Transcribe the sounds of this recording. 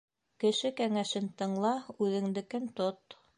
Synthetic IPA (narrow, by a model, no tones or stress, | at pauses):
kɘ̆ʃɘkæŋæʃɘnt̪ɤ̆ɴlˠɑʉðɘ̆ŋd̪ɘ̆kɘnt̪ot̪